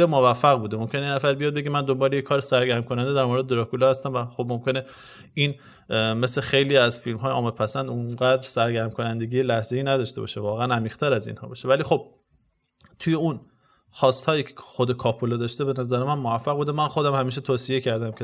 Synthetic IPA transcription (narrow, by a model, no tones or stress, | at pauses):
emovæfːæɣbuːd̪emomkʰʲenejenæfæɾbijɒːd̪̚beɡemænd̪ombɒːɾejekʰɒːɾesæɾɡæɾmkʰonænd̪ed̪æɾmo̞ɾed̪ed̪eɾɒkulɒːhæst̪æmvæxobmomcʰe̞ne | iːn | me̞slexe̞jliːæzfilmɦɒːjeɒːmed̪̚pʰæsænd̪unɢæːd̪ɾsæɾɡæɾmkʰo̞nænd̪e̞ɡiːjelæhze̞iːnæd̪ɒʃt̪e̞bɒ̰ʃevɒːɣeænæmiːʁ̥t̪ʰæɾæzḭːnhɒ̰ːbɒːʃevæliːxo̞b̥̚ | t̪ʰuje̞un | xɒːst̪hɒːjiːcʰe̥xod̪ekʰɒːpʰolɒd̪ɒːʃt̪ebe̞næzæɾemænmovæfːæɣbuːd̪emænxod̪æmhæmiːʃet̪ʰoːsije̞cʰæɾd̪æmcʰe